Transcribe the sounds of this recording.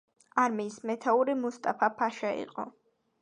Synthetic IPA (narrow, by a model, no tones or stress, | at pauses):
aɾmiːsmɛt̪ʰauɾimust̪ʼapʰapʰaʃaḭqʼɔ̰